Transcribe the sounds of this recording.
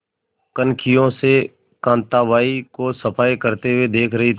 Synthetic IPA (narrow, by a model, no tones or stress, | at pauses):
kənkʰɪjõse | kãːnt̪aʋaːikosəpʰaːjkəɾt̪ewed̪eːkʰɾɐɦit̪ʰ